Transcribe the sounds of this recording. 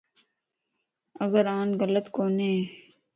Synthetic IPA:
ɐɡəɾãːnɣələt̪koːneː

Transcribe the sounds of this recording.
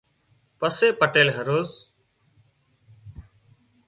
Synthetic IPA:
pəseːpəʈeːlɦəɾoːz

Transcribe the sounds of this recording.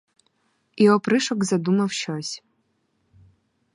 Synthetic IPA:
iɔpɾɪʃɔkzɐd̪umɐwʃt͡ʃɔsʲ

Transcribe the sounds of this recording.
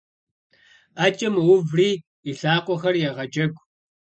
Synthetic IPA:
aːt͡ʃʼɐmwʊvriː | iɬaːqʷʼɔxɐrjɛʁɐd͡ʒʼɐɡʷʼ

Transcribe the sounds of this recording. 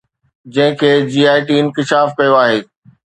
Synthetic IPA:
d͡ʑɐ̃ɦɪ̃kʰeːd͡ʑiːaːɪʈiɪnkɪʃaːfkɐjoaːɦeː

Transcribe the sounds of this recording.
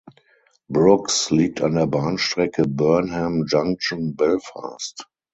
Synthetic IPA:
bɹʊksliːk̚tʰãndeːɐbãːnʃtʁɛkʰəbɜɐnhɛ̃md͡ʒãŋt͡ʃnbɪlfa̰ːst

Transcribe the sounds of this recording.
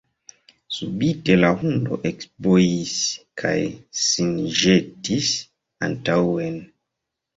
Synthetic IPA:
subite̞lahundo̞̰ʔekspojiskʰa̰jsinʒetis | a̰ntawe̞n

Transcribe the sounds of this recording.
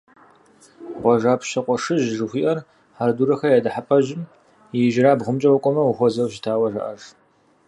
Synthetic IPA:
ʁʷɔʒaːpʰʃɐqʷʼɔʂɨʒʒɨxʷiːʔɐr | ħarduːɾɐxɐjaːdɨħapʰʼɐʒɪm | ɪʒɾaːbʁʷʊmt͡ʃʼɐwɔkʷʼɔmɐwuxʷɔzɐwʃɪtʰaːwɐʒɐ̰ʔɐ̰ʒ

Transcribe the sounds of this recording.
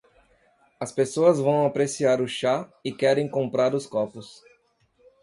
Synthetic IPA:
ɐspesoɐzvɐ̃w̃apɾesiaɾʊʃaɪkɛɾẽj̃kõmpɾaɾʊskɔpʊs

